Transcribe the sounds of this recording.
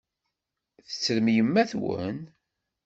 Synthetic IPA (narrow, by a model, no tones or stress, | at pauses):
θə̥t͡sːɾmjəmːæθwə̰n